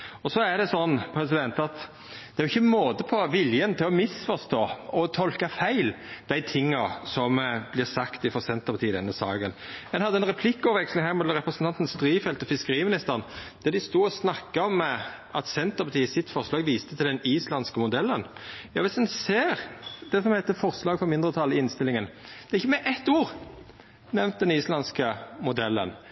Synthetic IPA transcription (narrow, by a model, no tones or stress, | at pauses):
ɔsɔæɖ̪ɛsɔnːpʰɾɛsɪd̪ɛnt̪ɑt̪ | d̪̥ɛæjʊɪçːəmoːd̪əpʰɔʋɪljənt̪ʰɪlɔmɪsfɔɾst̪oːɔt̪ʰɔlkɑfæɪld̪̥æɪt̪ʰɪŋːɑsɔmb̥lɪɾsɑkt̪ɪfɔsɛnt̪əpɑt̪iːəd̪ɛnːəsɑ̰ːɡənmɛnhɑd̪ːəɛnɾɛpʰlɪkːɔʋʋɛkslɪŋhæːɾmʊɛləɾɛpɾəsnʰɑnt̪ən̩st̪ɾiːfɛlt̪ɔfɪskəɾiːəmɪnɪst̪əʁnd̪̥ɛd̪ɪst̪uːɔsnɑkːɑɔm | ɑt̪sɛnt̪əɾpʰɑt̪iːəsɪt̪fɔʁʂlɑːɡʋiːst̪ə̥t̪ʰɪld̪ɛniːslɑnskəmʊd̪ɛlːənjɑ̰ːʋɪsd̪ɛnseːɾd̪ɛsɔmhæɪt̪ːəfɔɾslɑːɡfɔmɪnd̪ʁət̪ʰɑlːɪɪnst̪ɪlɪŋən | d̪̥ɛʁɪçːəmɛʔɛt̪ːuːɾ | nɛmnt̪̚d̪ɛniːslɑnskəmʊd̪ɛlːə̰n